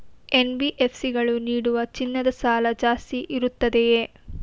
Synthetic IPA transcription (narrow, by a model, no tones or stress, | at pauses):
enbiʔe̞pʰsiɡɐɭuniːɽuʋɐt͡ʃinːɐd̪ɐsaːlɐd͡ʒaːst̪iʔiɾut̪ːɐd̪eje